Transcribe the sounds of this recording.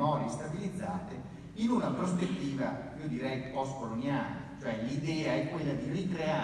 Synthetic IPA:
mɔːɾjest̪abilid̪zːaːt̪e | inunapɾospet̪ːiːvaiod̪iɾɛjpɔskolonjaːlet͡ʃoɛlid̪ɛːaɛkːwelːad̪irikɾea

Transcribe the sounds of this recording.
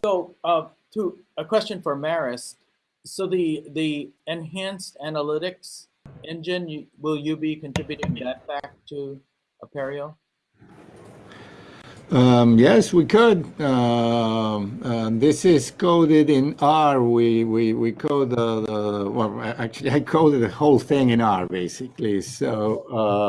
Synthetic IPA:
soʊʌ | tʰəəkʰw̥ɛst͡ʃɨ̃nfə˞mɛɹɪsː | oʊðiðiɨ̃nɦæ̃nstænəlɪɾɨks | ɛ̃nd͡ʒɨ̃nwɪlˠjɨbikɨ̃ntɹ̥ɪbjʉɾɪ̃ŋðɨt̚b̥æk̚tʰə | əpʰɛɹil̩ˠ | ʌjɛswikʰʊd̚ʌ | ʌðɪsɪz̥kʰoʊɾɪɾɪ̃na˞wiwiwikʰoʊd̪əwɛ̰lˠʔæk̚t͡ʃʉl̩ˠiaɪkʰoʊɾɨd̪̚ðɨhoʊlˠθɪ̃ŋɨ̃nɑ˞beɪsɨklisoʊʌ

